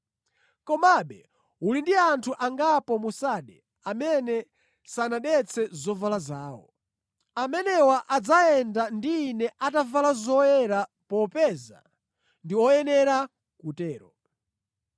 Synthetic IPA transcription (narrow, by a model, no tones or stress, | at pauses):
kɔmaɓɛ | ulindiantʰuʔaŋɡapɔmusaɗɛ | amɛnɛ | sanaɗɛt͡sʰɛzɔvalazaːwɔ̰ | amɛnɛwaʔad͡zaɛndandiːnɛʔatavalazɔjɛɾapɔpɛza̰ | ndiɔjɛnɛɾa | kutɛːɾɔ